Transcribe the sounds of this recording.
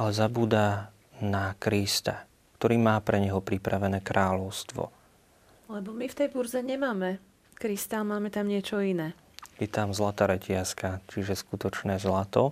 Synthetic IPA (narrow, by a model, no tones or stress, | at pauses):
alɛzabuːd̪a | nakɾist̪a | kt̪ɔɾiːmaːpɾɛɲɛɦɔpɾipɾaʋɛnɛːkɾʔaːlɔʊst̪ʋɔ̰ | lɛbɔmift̪ɛjbuɾzɛɲɛmaːmɛ | kɾist̪amaːmɛt̪amɲɪɛt͡ʃɔinɛː | jɛt̪amzlat̪aːɾɛcɪaskat͡ʃiʒɛskut̪ɔt͡ʃnɛːzlat̪ɔ